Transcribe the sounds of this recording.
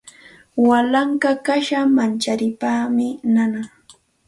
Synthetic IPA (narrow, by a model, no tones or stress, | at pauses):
walaŋkakaʃamant͡ʃaɾɪpaːmɪnana